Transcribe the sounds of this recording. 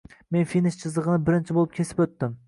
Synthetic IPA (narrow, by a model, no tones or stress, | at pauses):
menfinɪʃt͡ʃʰɨzəʁɨnɪbɪɾɪnt͡ʃʰibolˠɪp̚ʲkʲʰesɪ̥pøt̪ːɪm